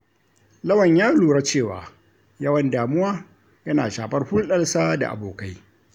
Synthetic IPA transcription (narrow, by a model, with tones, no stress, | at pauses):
lɐ˦wɐ˨ɲjaː˦luː˨ɾa˦t͡ʃeː˦˨wa̰ː˨ | jɐ˦wɐ˨ndaː˨mʊ˦waː˦ | jɐ˦na̰ː˨ʃaː˨ɸɐ˦rɸʊ˦nɗɐ˦lsaː˦da̰˨ʔa̰˨boː˨ka˦j